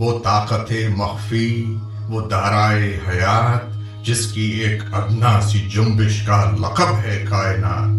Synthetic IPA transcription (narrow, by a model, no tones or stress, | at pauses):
ʋoːt̪aːqət̪emɐxfi | ʋoːd̪aːɾaːeɦɐjaːt̪̚ | d͡ʒɪskieːkɐd̪nasid͡ʒʊ̃mbɪʃkalɐ̰qəbɦɛkaːɪna̰ːt̪